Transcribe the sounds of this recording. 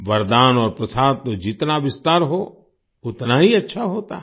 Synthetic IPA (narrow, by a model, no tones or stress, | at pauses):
ʋɐɾd̪aːnɔːɾpɾɐsaːd̪̚t̪od͡ʒɪt̪naʋɪst̪aːɾɦo | ʊt̪naɦiɐtːʃʰaɦoːt̪a